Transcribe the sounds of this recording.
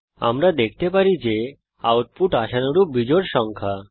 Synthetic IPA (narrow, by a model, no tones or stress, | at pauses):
a̰mɾad̪ek̚ʰt̪epaɾid͡ʑe | a̰wʈ̚puʈaʃanoɾubid͡ʑoɾʃɔŋkʰa